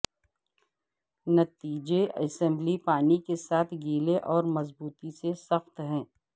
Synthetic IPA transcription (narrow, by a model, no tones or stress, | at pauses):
nɐt̪iːd͡ʒeɐsɛ̃mblipaːnikesaːt̪ʰɡiːleʔɔːɾmɐzbuːt̪isesɐxt̪ɦɛ̃ː